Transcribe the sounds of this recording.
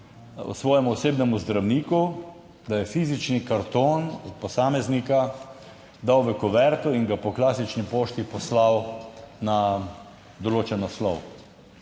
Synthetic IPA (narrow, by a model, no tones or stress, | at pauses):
ɔ̰sʋɔːjɛmuɔseːbnɛmuzd̪ɾawniːku | d̪ajɛfiːzit͡ʃnikaɾt̪oːnɔt̪̚pɔsaːmɛznika | d̪awʋɛkɔʋɛɾt̪ɔiŋɡapɔklaːsit͡ʃnipoːʃt̪ipɔslawna | d̪ɔloːt͡ʃɛnɔslɔw